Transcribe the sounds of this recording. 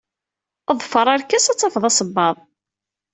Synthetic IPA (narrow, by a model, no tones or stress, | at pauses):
əðˤfəɾˤɑɾkæsæt͡sːɑfəðˤɑsˤəbːɑðˤ